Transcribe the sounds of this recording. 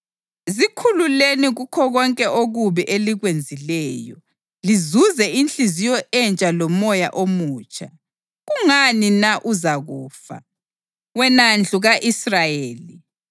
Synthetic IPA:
zikʰululeniɣukʰɔɣɔŋkʼɛoɣuβiʔeliɣwend͡zʱilɛːjɔ̰ | lizuzɛint͡ɬizijɔʔɛnt͡ʃʼalɔmɔja̰ʔomuːt͡ʃʰʼa̰ | ɣuŋaninaʔuzaɣuːfa̰ | wɛnand͡ɮʱuɣaʔisrajeːli

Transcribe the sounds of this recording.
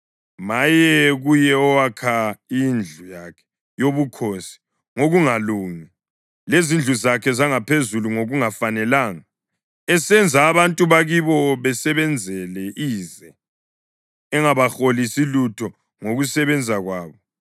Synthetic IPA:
majɛɣujɛɔwakʰaind͡ɮʱujaːkʰɛ̥ | joβukʰosi̥ | ŋoɣuŋaluːŋi | lezind͡ɮʱuzakʰɛzaŋapʰezuluŋoɣuŋafanɛlaːŋa | ɛsɛnd͡zʱaːβantʼuβaɣiβɔβɛsɛβɛnd͡zʱɛlɛʔiːzɛ | ɛŋaβaxolisilutʰɔ | ŋoɣusɛβɛnd͡zʱaɣwaːβɔ

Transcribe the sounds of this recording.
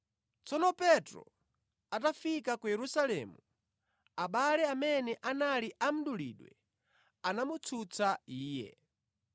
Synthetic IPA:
t͡sɔnɔpɛtɾɔ̰ | atafikakujɛɾusalɛmu | aɓalɛamɛnɛʔanaliʔam̩ɗulḭːɗwɛ̰ | anamut͡sʰut͡sʰaiːjɛ̰

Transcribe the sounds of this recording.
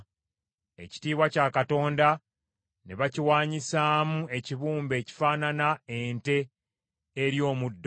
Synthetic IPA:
e̞̰ci̥tiːβwacaːkato̞ːnda | neβaciwaːɲisaːmue̞ciβuːmbe̞ːci̥faːnanaente̞ː | ɾjo̞ːmudː

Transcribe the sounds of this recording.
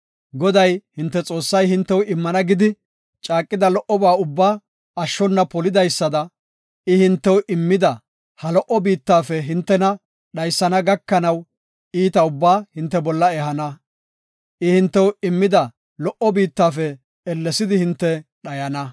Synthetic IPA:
ɡɔd̪ɐjhɪnt̪ːɛt͡sʼo̞ːsːɐjhɪnt̪ːɛwɪmːɐnɐɡɪd̪ɪ | t͡ʃʼaːkʼːɪd̪ɐlɔʔɔbaːʊbːaː | ɐʃːɔnːɐpɔlɪd̪ɐjsːɐd̪ɐ | ɪhɪnt̪ːɛwʔɪmːɪd̪ɐ | hɐlɔʔɔbiːt̪ːaːfɛɦɪnt̪ːɛnɐ | ɗɐjsːɐnɐɡɐkːɐnɐw | iːt̪ɐʊbːaːhɪnt̪ːɛbɔlːɐɛhɐnɐ | ʔɪhɪnt̪ːɛwɪmːɪd̪ɐ | lɔʔɔbiːt̪ːaːfɛ | ɛlːɛsɪd̪ɪhɪnt̪ːɛɗɐjɐnɐ

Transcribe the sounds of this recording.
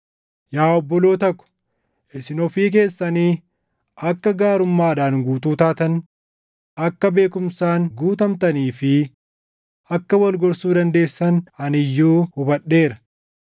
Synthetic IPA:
jaːɔbːɔlo̞ːt̪ɐkːʊ̥ | ʔɪsɪnɔfiːk̬e̞ːsːɐniː | ɐkːɐɡaːɾʊmːaːɐd̪aːŋɡuːt̪uːt̪aːt̪ɐn | ɐkːɐbe̞ːkʊmsaːnɡuːt̪ɐmt̪ɐniːfɪ | ɐkːɐwɐlɡɔɾsuːd̪ɐnd̪e̞ːsːɐnɐnɪjːuːhʊbɐɗːe̞ːɾɐ̥

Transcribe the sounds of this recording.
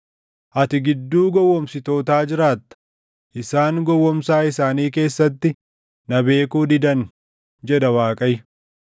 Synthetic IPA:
ʔɐt̪ɪɡɪd̪ːuːɡɔwːɔmsɪt̪o̞ːt̪aːd͡ʒɪɾaːt̪ːɐ̥ | ʔɪsaːŋɡɔwːɔmsaːɪsaːniːke̞ːsːɐt̪ːɪ | nɐbe̞ːkuːd̪ɪd̪ɐn | d͡ʒɛd̪ɐwaːkʼɐj

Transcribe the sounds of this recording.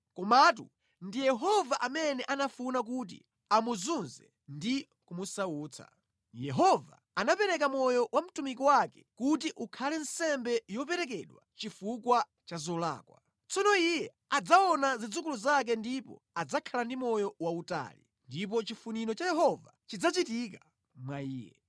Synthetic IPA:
kɔmat̬ṵ | ndijɛɦɔvaʔamɛnɛʔanafunak̬ut̬ḭ | amuzunzɛ̰ | ndi | kumusauːt͡sʰa̰ | jɛɦɔva̰ | anapɛɾɛk̬amɔjɔwam̩tumik̬ɔwakɛ̥kut̬iʔukʰalɛn̩sɛmbɛjɔp̬ɛɾɛk̬ɛɗwat͡ʃifukwa | t͡ʃazɔla̰ːkwa̰ | t͡sɔnɔijɛ | ad͡zaɔnazid͡zukuluzak̬ɛndipɔ̰ | ad͡zakʰalandimɔjɔwauta̰ːli | ndip̬ɔt͡ʃifuniɾɔt͡ʃajɛɦɔvat͡ʃid͡zat͡ʃitika | mwaiːjɛ̰

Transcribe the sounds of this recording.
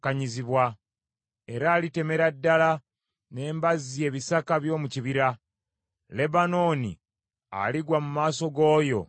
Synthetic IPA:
kaɲiziβwa | e̞ɾaːlite̞me̞ɾadːala | ne̞ːmbazie̞ːβisakaβjo̞ːmuciβiɾa | le̞bano̞ːnḭ | a̰liɡwamumaːso̞ɡo̞ːjo̞

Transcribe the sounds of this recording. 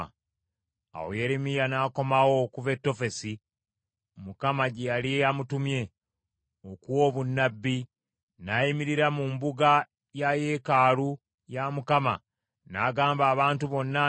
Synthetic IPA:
a̰wo̰je̞ɾemijanaːko̞mawo̞kuve̞tːo̞fe̞si | mukamaɟejaliejamutumje̞ | okuwo̞ːβunːabːi | naimiɾiɾamumbuɡa | jaje̞kaːlu | jamukama̰ | naːɡaːmbaːβaːntuβo̞nːa

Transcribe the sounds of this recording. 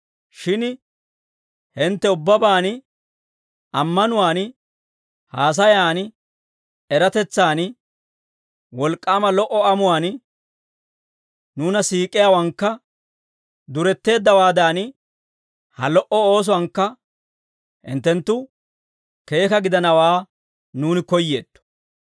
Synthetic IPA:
ʃɪn | hɪnt̪ːɛʊbːɐbaːn | ɐmːɐnʊwaːn | haːs̬ɐjaːn | ɛɾɐt̪ɛt͡sːaːn | wɔlkʼːaːmɐlɔʔɔɐmʊwaːn | nuːnɐsiːkʼːɪjawɐŋkːɐ | d̪ʊɾɛt̪ːe̞ːd̪ːɐwaːd̪aːn | hɐ̰lɔʔɔo̞ːs̬ʊwɐŋkːɐ | hɪ̰nt̪ːɛnt̪ːʊ | ke̞ːkɐɡɪd̪ɐnɐwaː | nuːnɪkɔjːe̞ːd̪̥ːɔ̥

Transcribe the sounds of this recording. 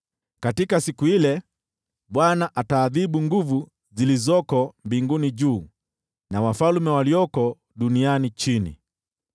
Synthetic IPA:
katikasikuilɛ | ɓwanaʔataːðiɓuŋɡuvu | zilizɔkɔmbiŋɡuniʄuː | nawafalmɛwaliɔkɔ | ɗunianit͡ʃinḭ

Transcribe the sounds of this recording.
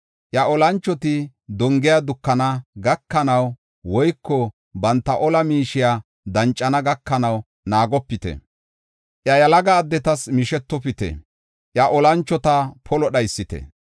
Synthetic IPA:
ʔjɐʔɔlɐnt͡ʃːɔt̪ɪ | d̪ɔŋɡɪjad̪ʊkːɐnɐɡɐkːɐnɐw | wɔjkːɔ | bɐnt̪ːɐʔɔlɐmiːʃɪja | d̪ɐnt͡ʃʼːɐnɐɡɐkːɐnɐw | naːɡɔpːɪt̪ɛ̰ | ʔjɐjɐlɐɡaːd̪ːɛt̪ɐsmɪʃɛt̪ːɔpɪt̪ɛ̰ | ʔjɐʔɔlɐnt͡ʃːɔt̪ɐpʰɔlɔɗɐjsːɪt̪ɛ̰

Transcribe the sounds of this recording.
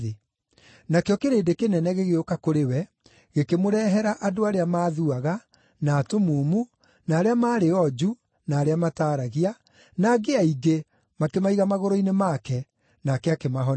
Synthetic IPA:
e | nakeɔkeɾeːdekenɛnɛɣeɣeokakoɾewɛ | ɣekemoɾɛɦɛɾaʔadoaɾeamaːðuaɣa | naːtomuːmu | naːɾeamaːɾeɔd͡ʒu | naːɾeamataːɾaɣia | naɡeaiɡe | makemaiɣamaɣoɾoinemakɛ | nakɛakemaɦɔ

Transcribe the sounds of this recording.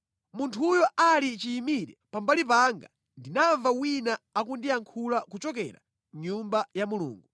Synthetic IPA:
muntʰujɔʔalit͡ʃiːmiɾɛpambalipaŋɡa̰ | ndinaɱvawinaak̬undiaŋkʰulakut͡ʃɔkɛ̰ɾa̰ | ɲumbajamulṵːŋɡu

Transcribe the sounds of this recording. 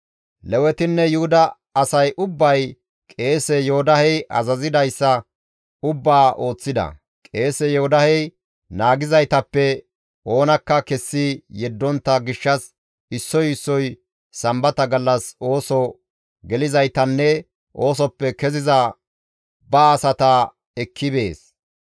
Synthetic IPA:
lɛwɛt̪ɪnːɛjʊhʊd̪ɐː | sɐjʔʊbːɐj | kʼe̞ːsɛjohʊd̪ɐhɛjʔɐ̰zɐzɪd̪ɐjsːɐ | ʊbːaːʔo̞ːt͡sːɪd̪ɐ̰ | kʼe̞ːsɛjɔhʊd̪ɐhɛj | naːɡɪzɐjt̪ɐpːɛ | ʔo̞ːnɐkːɐkɛsːijɛd̪ːɔnt̪ːɐɡɪʃːɐs | ɪsːɔjɪsːɔj | sɐmbɐt̪ɐɡɐlːɐso̞ːsɔ | ɡɛlɪzɐjt̪ɐnːɛ | ʔo̞ːsɔpːɛkɛzɪzɐ | bɐːsɐt̪ɐ | ɛkʰːɪbe̞ːs

